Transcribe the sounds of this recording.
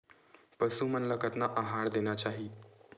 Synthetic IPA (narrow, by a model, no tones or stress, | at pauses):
pəsumənləkət̪naʔaɦaɽd̪enjat͡ɕaɦiː